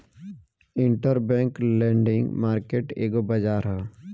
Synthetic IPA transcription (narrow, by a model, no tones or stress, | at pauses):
ɪɳʈəɾbɛ̃ːŋklɛ̃ːɳɖɪ̃ŋɡmaːɾkeːʈḛːɡobəd͡ʒaːɾɦɛ